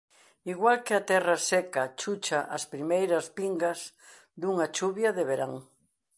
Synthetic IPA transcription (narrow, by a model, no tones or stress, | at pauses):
iɣwalkɪat̪ɛrasɛkat͡ʃut͡ʃaʔaspɾimejɾɐspiŋɡaz | d̪uŋat͡ʃuβjɐðeβeɾaŋ